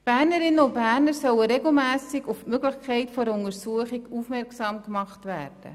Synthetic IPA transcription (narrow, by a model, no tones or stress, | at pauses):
b̥æːɾnəɾɪnːəʊnbæːɾnəɾsœlːəɾeɡl̩mæːsɪɡʊfmøɡlɪχkʰɛɪtfɔɾəʊnəɾsuəχɪɡuːfmɛɾksɑːmkmɑχtʋæ̰ːrd̥ə̰